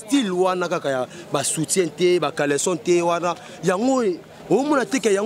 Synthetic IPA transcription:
tilwanakakaja | basutɛ̃ntɛbakalɛsɔntɛwana | jaŋɡo | ojomɔnatekɛjaŋ

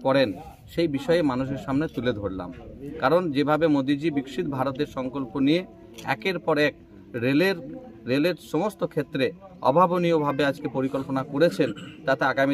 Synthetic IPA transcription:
pɔɾen | ʃejbiʃɔeemanuʃ̬eɾʃamnet̪uled̪ʱoɽla̰mkaɾond͡ʑebʱabemod̪id͡ʑibikʃit̪bʱaɾot̪̚eɾʃɔŋkolponije | ɛ̰keɾpɔɾɛk̚ | ɾeleɾɾeleɾʃɔmost̪okʰet̪ːɾe | ɔ̰bʱaboniobʱabead͡ʑkepoɾikolponakoɾet͡ɕʰent̪at̪eaɡami

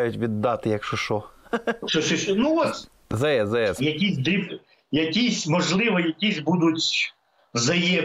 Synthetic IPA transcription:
jʊtʲʋʲid̪ːɑt̪ɪjɐkʃʊʃɔʃɔʃɔʃnuɔsʲ | zɐjɛzɐɛjɐkʲisʲd̪ip | jɐkʲisʲmɔʒlˠɪʋɐjɐkʲizʲbud̪ʊtʲ | wzɐjɛ

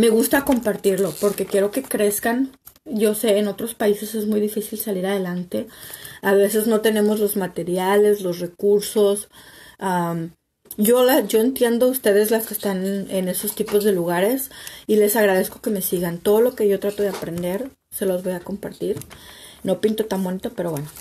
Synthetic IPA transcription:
me̞ɣust̪ako̞mpaɾt̪iɾlo̞po̞ɾke̞kje̞ɾo̞ke̞kɾe̞skan | ɟ͡ʝo̞se̞ːno̞t̪ɾo̞spaise̞se̞zmujðifisilsaliɾað̞e̞lant̪e̞aβe̞se̞zno̞t̪e̞ne̞mo̞zlo̞zmat̪e̞ɾjale̞zlo̞sre̞kuɾso̞sam | ɟ͡ʝo̞laʝo̞e̞nt̪je̞nd̪oust̪e̞ð̞e̞zlaskeːst̪anene̞so̞st̪ipo̞zðe̞luɣ̞aɾe̞sile̞saɣɾað̞e̞sko̞ke̞me̞siɣant̪o̞ð̞o̞lo̞ke̞ʝo̞t̪ɾat̪o̞ðe̞apɾe̞nd̪e̞ɾ | se̞lo̞zβo̞jako̞mpaɾt̪iɾno̞pint̪o̞t̪anbo̞nit̪o̞pe̞ɾo̞βwe̞no

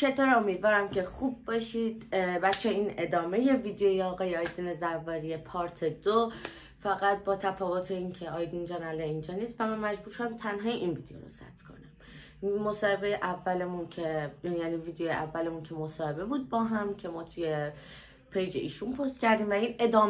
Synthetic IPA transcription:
t͡ʃet̪ʰoɾomiːd̪vɒːɾæmcʰe̞xub̚ːɒʃid̪bæt͡ʃʰːeiːne̞d̪ɒːme̞je̞viːd̪ejojeɒːɣɒːjeɒjd̪inezævːɒːɾijepʰɒːɾt̪ʰed̪o | fæɣæt̪̚bɒːt̪ʰæfɒːvo̞t̪ʰeincʰeɒːjd̪ind͡ʒɒːnæleind͡ʒɒːnist̪væmænmæd͡ʒbuːɾʃod̪æmt̪ʰænɦɒːjeʔinviːd̪ejo̰ɾo̰sæ̰bt̪kʰo̞̰næm | mo̞sɒːhe̞bejeʔævːælemuncʰejæːniːviːd̪ejojeʔævːælemuncʰemosɒːhe̞be̞buːd̪̚bɒːɦæmcʰe̞mɒːt̪ʰuje | pʰejd͡ʒeʔḭːʃunpʰost̪cʰæɾd̪iːmvæine̞d̪ɒːm

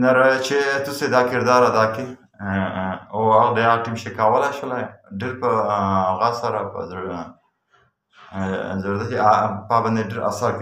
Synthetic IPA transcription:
naɾt͡ʃet̪used̪ɑkɪɾd̪ɑɾad̪ɑke | oaɣd̪eaɣʈimʃekawəlajʃwəlajɖeɾpəɣasaɾapə̰z | zaɾd̪akepɑband̪eɖeɾʔa̰saɾk

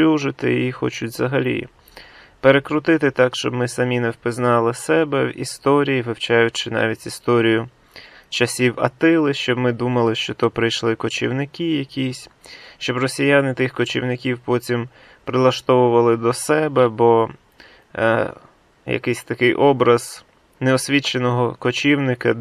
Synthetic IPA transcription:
uʒɪt̪ɪ̰ixɔ̰t͡ʃʊtʲzɐɦɐlʲḭ | peɾekɾʊt̪ɪt̪ɪt̪ɑkʃt͡ʃɔbmɪsɐmʲinɛwpɪznɑlˠɪsɛbɛwḭst̪ɔɾʲijiʋɪwt͡ʃɑjʊt͡ʃɪnɑ̰ʋʲitʲist̪ɔɾʲijʊ | t͡ʃɐsʲiwɐ̰t̪ɪlˠɪʃt͡ʃɔbmɪd̪umɐlˠɪʃt͡ʃɔt̪ɔpɾɪjʃlˠɪkɔt͡ʃḭwnɪkʲijɐkʲisʲʃt͡ʃɔbrɔsʲijanɪt̪ɪxkɔt͡ʃʲiwnɪkʲiwpɔtʲim | pɾɪlˠɐʃt̪ɔʋʊʋɐlˠɪd̪ɔsɛbɛbɔ | jɐ̰kɪsʲt̪ɐkɪjʔɔbɾɐz̥ | neɔsʲʋʲit͡ʃenɔɦɔkɔt͡ʃʲiwnɪkɐ

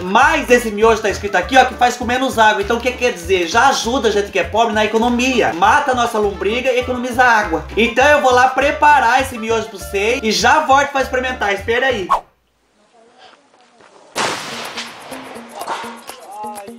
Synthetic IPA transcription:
majzd̪esɪmioʒʊt̪aɪskɾit̪ʊakiɔkɪfajskõmẽnʊzaɡwɐẽt̪ɐ̃ʊkekːkɛɾd͡ʒizeɾʒaːʒud̪ɐʒẽnt̪ɪ̥kɪɛpɔbɾɪnɐekonomiɐ̰mat̪ɐnɔsɐlũmbɾiɡɐiekonõmizɐaɡwɐẽt̪ɐ̃w̃ewvolapɾepaɾaesɪmioʒʊp̪ʊsejɪʒavɔɾt̪ɪ̥faispeɾimẽnt̪aɪspɛɾai

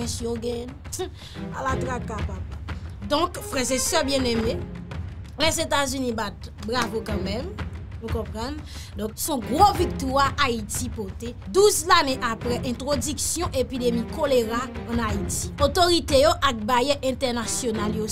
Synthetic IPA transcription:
ɛ̃sjoɡɛ̃ | a̰lat̪ʁakapapd̪ɔ̃kfʁɛzesœbjɛ̃neme | lɛzet̪azynĩbat̪̚bʁavokɑ̃mɛ̃mũkɔ̃pʁʌ̃n | d̪ɔ̃ksɔ̃ɡʁovik̚t̪waʔait̪ipɔt̪e | d̪uzlaneʔapʁɛʔɛ̃t̪ʁodyksjɔ̃ʔepidemikʰoleʁãːnait̪i̥ot̪oʁit̪ejoʔak̚bajɛʔɛ̃t̪ɛʁnasjonaljo

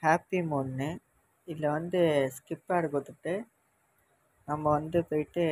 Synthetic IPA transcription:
haːpːimoːnːɯ | ɪlːɐʋɐnd̪ɯskɪpːaːɽɯkot̪ːɯʈːɯ | nɐmːɐʋɐnd̪ɯpoːjɪʈːɯ

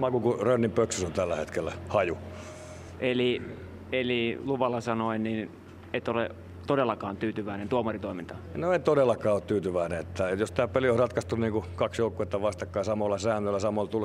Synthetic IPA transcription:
mɑkukurønːimpøksysont̪ælːæhḛt̪kelːæhɑju | ʔeli | eliluʋɑlːɑsɑnoinnin | et̪olḛ | t̪odelːɑkɑːnt̪yːt̪yʋæinent̪uomɑrit̪oimint̪ɑnoent̪odelːɑkˑɑːot̪t̪yːt̪yʋæineet̪ːæjost̪æːpeliohrɑt̪kɑst̪unniːŋkukɑksjoukːˑuet̪ːæʋɑst̪ɑkːɑisɑmolːɑsæːnːølːæsɑmolt̪ul

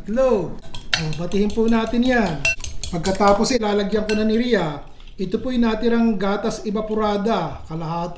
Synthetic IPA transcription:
lowʔobɐt̪ɪhɪnpunaːt̪ɪnjanpɐɡ̚kɐt̪aːpo̞sɪlaːlɐɡjɐŋkonɐnɪɾijɐ | ʔɪt̪opojnaːt̪ɪnɐŋɡaːt̪ɐsɪbɐpʊɾaːd̪ɐkɐlɐhaːt̪

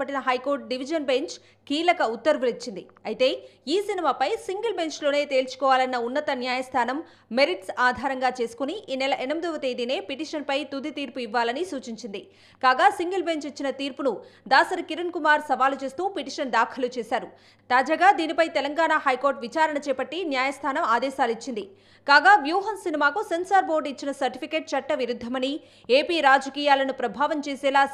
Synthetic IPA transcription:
ɐʈːinɐɦɐjko̞ːɾʈ̚ɖiʋid͡ʒɐnbe̞ɲt͡ʃ | kiːlɐkɐut̪ːɐɾʋulit͡ʃːind̪i | ɐjt̪e̞ːiːsinimaːpɐjsiŋɡɐlbe̞ɲt͡ʃlo̞ːne̞ːt̪e̞ːlt͡ʃu̥kɔːʋaːlɐnːɐunːɐt̪ɐnjaːjɐst̪ʰaːnɐmː | e̞ɾiʈsaːd̪ʱaːɾɐŋɡaːt͡ʃe̞ːsu̥kuniʔiːnɛlɐʔɛnɐmid̪ɔʋɐt̪eːd̪ine̞ːpiʈiːʂɐnpɐjt̪ud̪it̪iːɾpuiʋːaːlɐnisuːt͡ʃiɲt͡ʃind̪i | kaːɡaːsiŋɡɐlbe̞ɲt͡ʃit͡ʃːinɐt̪iːɾpunud̪aːsɐɾɐkiɾɐnkumaːɾsɐʋaːlut͡ʃe̞ːst̪uːpiʈiʂɐnd̪aːkʰɐlut͡ʃɛːsaːɾu | t̪aːd͡ʒaːɡaːd̪iːnipɐjt̪ɛlɐŋɡaːnahɐjko̞ːɾʈʋit͡ʃaːɾɐɳɐt͡ʃɛːpɐʈːinjaːjɐst̪ʰaːnɐmaːd̪ɛːʃaːlit͡ʃːind̪i | kaːɡaːʋjuːɦɐmsinimaːkusensaːɾboːɾɖit͡ʃːinɐsɐɾʈipʰikeːʈ̚t͡ʃɐʈːɐʋiɾud̪ʱːɐmɐni | e̞ːpiːɾaːd͡ʒɐkiːjaːlɐnupɾɐbʱaːʋɐmt͡ʃeːsɛːlaː

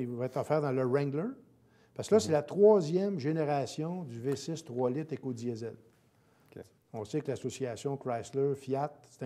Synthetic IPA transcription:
ivɑɛt̪ʁɔfɛːʁd̪ɑ̃ləʁɛ̃ɡlə˞ | paskəlʌsɛlat̪ʁwɑzjɛmʒeneʁasjɔ̃d̪yvesɪst̪ʁwɔlɪt̪ekod̪zjɛzɛl | ɔ̃sɛkəlasɔsiasjɔ̃kʁajsləfjat̪̚se̥t̪ɛ̃

